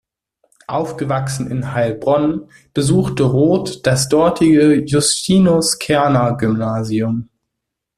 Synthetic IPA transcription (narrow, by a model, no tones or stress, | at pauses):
ʔaʊfɡ̥əvaksn̩ɪ̰nɦalbʁɔn | b̥əzuːxtəʁoːtd̥asd̥ɔɐtʰɪɡəjʊstʰiːnoskʰɛɐnaɡʏmnaːziʊm